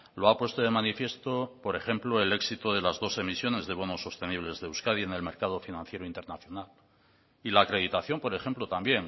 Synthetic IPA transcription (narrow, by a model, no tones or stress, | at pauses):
loapwe̞st̪oðemanifje̞st̪o̞po̞ɾe̞χe̞mploe̞le̞ksit̪oð̞e̞lazðo̞se̞misjo̞ne̞zðe̞βo̞noso̞st̪e̞niβ̞le̞zðewskaðie̞ne̞lme̞ɾkaðo̞finãn̟θje̞ɾoint̪e̞ɾnaθjo̞nal | ilaːkɾe̞ðit̪aθjo̞mpoɾe̞xe̞mplot̪ambje̞n